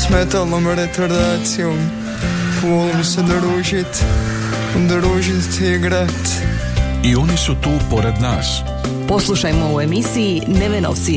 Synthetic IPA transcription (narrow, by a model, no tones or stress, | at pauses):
smɛt̪alˠnomɐɾetoɾd̪asiom | folˠmsed̪ɐɾuʒit̪ | d̪ɾuʒit̪iɡɾat̪ | io̞nisut̪uːpoɾed̪naːs | poslˠuʃajmouemisii | neʋeno̰wsi